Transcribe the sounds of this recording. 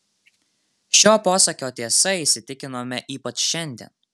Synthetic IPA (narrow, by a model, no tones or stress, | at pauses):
ʃʲoːpoːsɐkʲoːt̪ʲiɛsɐiˑsʲɪt̪ʲɪkʲɪnoːmʲɛʔiːpɐt͡ʃʃʲɛnʲd̪ʲḭɛ̰n